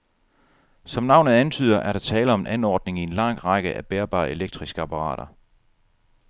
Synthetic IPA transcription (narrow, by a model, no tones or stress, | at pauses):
sɒ̽mnɑ̈ʊnð̩ˠænt͡sʰy̰ð̞̰ˠɐʔæɐɾ̥ɑ̈t͡sʰɛːləɒ̽meʔænɒːd̥ne̝ŋie̝nlɑ̈ŋ̰ʁɑɡ̥əʔæb̥eːɐb̥ɑ̈ːe̝leɡ̥̚d̥ʁisɡ̥əɑpʰɑ̈ʁɑ̰̈ːɾ̥ɐ